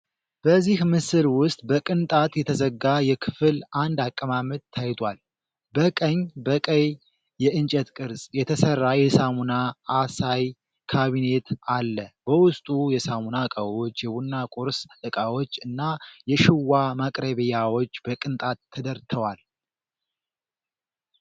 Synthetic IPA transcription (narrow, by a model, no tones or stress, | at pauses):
b̥əzːihmɨsɨlwʊst̪ʼbəkʼɨnt̪ʼat̪jɛt̪ʰəzəɡːajɛkʰɨfɨland̪akʼːəmamət̪̚t̪ʰːajt̪ʰwal | bəkʼəɲbəkʼəj | jɛʔɨnt͡ʃʼɛt̪kʼɨɾsʼjɛt̪ʰəsərːajɛsamunaːsaj | kʰaβine̞t̪alːəbəwʊst̪ʼujɛsamunakʼawot͡ʃːjɛbunːakʼoɾsɨkʼawo̞t͡ʃːɨnːajɛʃɪwːamakʼɾəβijawo̞t͡ʃːbəkʼɨnt̪ʼat̪ʰːəd̪əɾt̪ʰəwal